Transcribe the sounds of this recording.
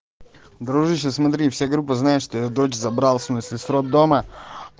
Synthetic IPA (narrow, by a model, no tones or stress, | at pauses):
d̪ɾuʒiʃesmat̪ɾiifsʲeɡɾupoznajeʃt̪oed̪oːt͡ʃzabɾalˠsmsisɾod̪ːoma